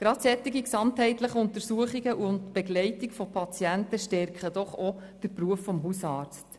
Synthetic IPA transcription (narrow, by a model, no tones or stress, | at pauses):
ɡ̥ɾɑtsɛtːiɡiksɑmthɛɪtləχəʊntəɾsuəχiɡəʔʊntb̥eɡlɛɪtikfɔpʰɑt͡sjæntəʃtɛɾkχəd̥ɔχo | d̥əɾpɾuəfːɔmɦusɑːɾt͡st